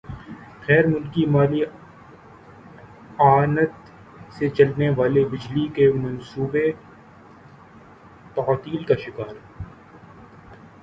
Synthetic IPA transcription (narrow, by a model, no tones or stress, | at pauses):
xɛːɾmʊlkimaːli | aːnət̪ | set͡ʃɐlneʋaːlebɪd͡ʒlikemɐnsuːbe | t̪ɐaːt̪iːlkaʃɪkaːɾ